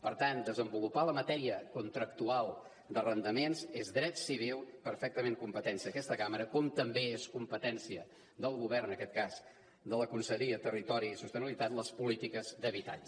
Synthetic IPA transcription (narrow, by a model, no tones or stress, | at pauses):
pəɾt̪and̪əzəmbulupaləmət̪ɛɾiəkunt̪ɾəkt̪ualˠ | d̪ərənd̪əmensezd̪ɾɛt̪siβ̞ilˠpəɾfɛk̚t̪əmeŋkumpət̪ɛnsiəkɛst̪əkaməɾəkɔmt̪əmbeeskumpət̪ɛnsiə | ðəlˠɣuβɛrənəkɛt̪̚kaz | d̪ələkunsəʎiət̪ərit̪ɔɾiːsust̪ənəβilit̪at̪ləspulit̪ikəzd̪əβit̪a̰ʎ